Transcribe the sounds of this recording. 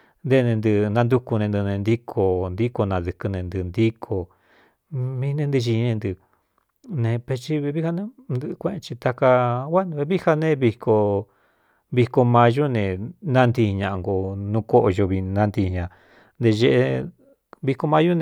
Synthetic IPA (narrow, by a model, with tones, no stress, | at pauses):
nd̪e˦˧nẽ˧nd̪ɨ˧nã˧nd̪u˦ku˧nẽ˧nd̪ɨ˧nẽ˧nd̪i˦kʰo˧nd̪i˦ko˧nã˧ðɨ˧kɨ˧nẽ˧nd̪ɨ˧˨nd̪i˦kʰo˧ | mĩ˧nẽ˧nd̪ɨ˧ʒi˧nẽ˧nd̪ɨ˧ | nẽ˧pe˧t͡ʃi˦βe˧βi˦ha˧nẽ˦nd̪ɨ˧kʷẽ˧ẽ˧t͡ʃi˧t̪a˧ka˧wʷa˦n˧βe˧βi˦ha˧nẽ˦βi˧ko˧ | βi˧ko˧mã˧ʒu˦nẽ˧˨nã˦˧nd̪i˧ɲã˧ʔŋɡo˧nũ˧ko˦ʔo˧ʒo˧βi˧nã˦˧nd̪i˧ɲã˨˧ | nd̪e˧ʒe˧ʔe˧ | βi˧ko˧mã˧˦ju˦nẽ˧